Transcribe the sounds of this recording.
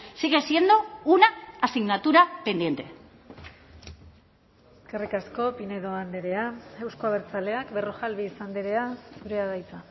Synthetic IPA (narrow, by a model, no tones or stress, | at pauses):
siɣe̞sje̞nd̪uunaːsiɣnat̪uɾape̞nd̪je̞nt̪e̞ | eskerikasko̞pineðo̞and̪eɾe̞ae̞wskoaβ̞eɾt͡sale̞akberoxalβisand̪eɾe̞asuɾeaðajt͡sa